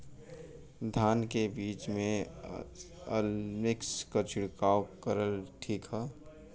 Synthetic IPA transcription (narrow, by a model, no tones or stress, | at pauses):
d̪ʱaːnkebiːt͡ʃmẽ | əlmɪkskot͡ʃɪɽkaːwkəɾəlʈʰiːkɦɛ